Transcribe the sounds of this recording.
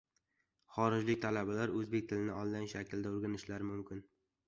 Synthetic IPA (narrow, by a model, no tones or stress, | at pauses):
χɒɾɪd͡ʒlɪkʲt̪ʰalabalaɾɵzbekʲt̪ʰɪlɪnɪɒnd̪anɪʃakʲʰld̪aoɾɡʲanɪʃlaɾɪmʊmkʲɪn